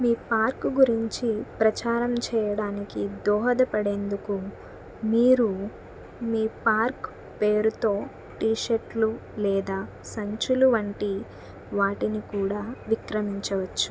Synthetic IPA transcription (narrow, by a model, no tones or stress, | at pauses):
miːpaːɾkɡuɾiɲt͡ʃipɾɐt͡ʃaːɾɐmt͡ʃɛːjɐɽaːnikid̪ɔːɦɐd̪ɐpɐɽe̞ːnd̪uku | miːɾu | miːpaːɾk | peːɾut̪o̞ː | ʈiːʃeʈlulɛːd̪aː | sɐɲt͡ʃuluʋɐɳʈi | ʋaːʈinikuːɽaːʋikɾɐmiɲt͡ʃɐʋɐt͡ʃːu̥